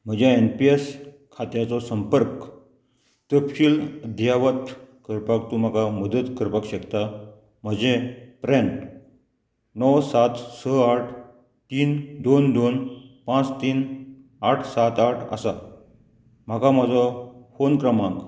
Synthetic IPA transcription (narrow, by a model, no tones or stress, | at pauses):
m̤əd͡ʑjaenpies | kʰat̪jat͡sɔsəmpəɾk | t̪əpɕiːləd̪ʱjaʋət̪kəɾpak̚t̪um̤akaməd̪ət̪kəɾpakɕəkt̪a | m̤əd͡ʑepɾeɳʈ | nɔwsat̪səaʈʰ | t̪iːnd̪ond̪onpãt͡st̪iːn | aʈʰsat̪aʈʰə̰sa | m̤əkamad͡zɔfonkɾəmãŋɡ